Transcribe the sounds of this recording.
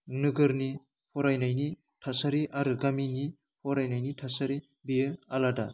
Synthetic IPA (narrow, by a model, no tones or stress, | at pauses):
nɯɡɯɾni | pʰɔɾajnajni | tʰasaɾiʔaɾɯɡamini | pʰɔɾajnajnitʰasaɾi | biealada